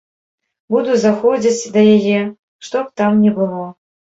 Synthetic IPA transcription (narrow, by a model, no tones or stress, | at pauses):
bud̪uzaxɔd͡zʲit͡sʲd̪ɐjajɛ | ʂt̪ɔp̚t̪amnʲɛbɨlˠɔ